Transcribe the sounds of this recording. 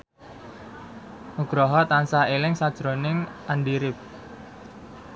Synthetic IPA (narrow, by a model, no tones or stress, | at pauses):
muɡ̥ɾɔɦɔt̪ansaelɪŋsad̥ʒ̥ɾonɪŋʔanɖiɾɪp̚